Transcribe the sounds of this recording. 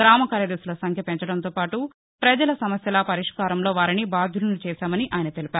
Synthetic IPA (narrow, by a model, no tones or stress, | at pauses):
ɡɾaːmɐkaːɾjɐd̪eːsulɐsɐŋkʰjɐpeɲt͡ʃɐɽɐnt̪o̞ːpaːʈu | pɾɐd͡ʒɐlɐsɐmɐsjɐlɐpɐɾiʂkaːɾɐmlo̞ːʋaːɾinibaːd̪ʱulunut͡ʃɛːsaːmɐniʔaːjɐnɐt̪e̞lipaːɾu